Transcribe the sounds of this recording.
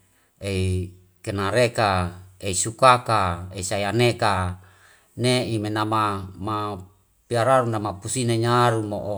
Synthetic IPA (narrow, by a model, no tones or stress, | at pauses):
ei | kenaɾekaeisukakaeisaianeka | neimenamama | piaɾaɾunamapusineɲaɾumo̰ʔo